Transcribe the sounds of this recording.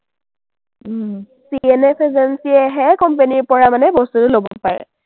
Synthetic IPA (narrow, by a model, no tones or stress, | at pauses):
sienɛpezɛnsiɛɦɛkɔmpeniɹpɔɹamanɛbɔstutʊlobɔ̰paɹɛ̰